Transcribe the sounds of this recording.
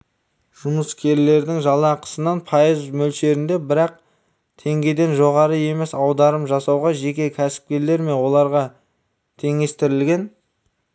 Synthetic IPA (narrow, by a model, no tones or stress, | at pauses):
ʒ̥ʊməskʲʰe̞ɾle̞ɾd̪ɪŋʒɑlˠɑqə̥sənɑnpʰɑjəzmɵlʃe̞ɾɪnd̪e̞bɪɾɑq̚ | t̪ʰe̞ŋɡʲe̞d̪e̞nʒo̞ʁɑɾəe̞me̞sɑwd̪ɑɾəpʒɑsɑwʁɑʒe̞kʲe̞kʲʰæsɪ̥p̚kʲe̞ɾle̞ɾme̞nwo̞lˠɑɾʁɑ | t̪ʰe̞ŋe̞st̪ɪɾɪlɡʲe̞n